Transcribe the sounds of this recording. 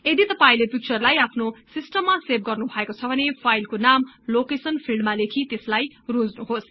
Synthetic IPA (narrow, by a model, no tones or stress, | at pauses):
ed̪it̪ʌpaĩlepik̚t͡sʌrlajapʰnosisʈʌmːaseb̚ɡʌrnubʱʌekot͡sʰʌbʱʌnepʰajlkonamlokesʌnpʰilɖmalekʰit̪eslajrod͡znuɦos